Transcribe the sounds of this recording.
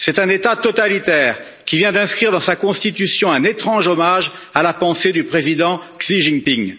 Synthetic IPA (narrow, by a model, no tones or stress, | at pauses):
sɛt̪ɛ̃net̪at̪ɔt̪alit̪ɛːʁ | kʲivjɛ̃d̪ɛ̃skχiʁd̪ɑ̃sakɔ̃st̪it̪ysjɔ̃ɛ̃net̪χɑ̃ʒɔmaʒalapɑ̃sed̪ypχezid̪ɑ̃ksiʒiŋpiŋ